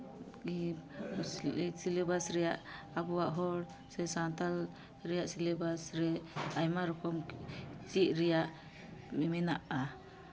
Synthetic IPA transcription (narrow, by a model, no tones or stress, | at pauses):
i | silebasɾɛjaʔ | abuwaʔɦɔɽ | sɛsant̪al | ɾɛjaʔsilebasɾɛajmaɾɔkɔmt͡ʃiʔ̚ɾɛjaʔ | mɛmɛnaʔa